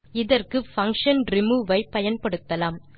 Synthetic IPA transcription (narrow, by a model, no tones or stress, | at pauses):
ɪðɐrkɯfɐŋkʂɐnɾɪmuːʋɐɪpɐjɐnpɐɽɯt̪ːɐlaːm